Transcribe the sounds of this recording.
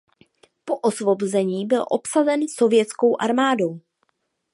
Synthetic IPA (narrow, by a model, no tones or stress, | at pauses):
po̞ʔosvo̞bozɛɲiːbɪlʔopsazɛnso̞vjɛt͡sko̞wʔaɾmaːdo̞w